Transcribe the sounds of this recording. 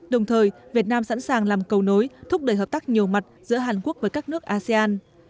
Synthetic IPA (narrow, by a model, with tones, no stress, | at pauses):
ɗə˨˩wŋ͡mt̪ʰəː˨˩jvi˨˩ət̚naː˧msa̰˧˥nsaː˨˩ŋlaː˨˩mkə˨˩wno˨˦jt̪ʰʊ˦˥k͡p̚ɗəː˨˧˩jɦə˨˩p̪̚ːk̚ɲi˨˩əwma˨˩t̚zɨ̰˧˥əɦaː˨˩nku˦˥ək̚vəː˨˦jkaː˦˥k̚nɨ˦˥ək̚ʔaː˧sɛ˧aː˧n